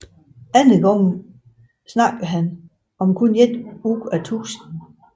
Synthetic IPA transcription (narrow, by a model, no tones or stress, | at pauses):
ænəɡ̥ɒŋn̩ | snɑ̈ɡ̥ðɦæn | ɒ̽mkʰuned̥uɡ̥æt͡sʰṵːsn̩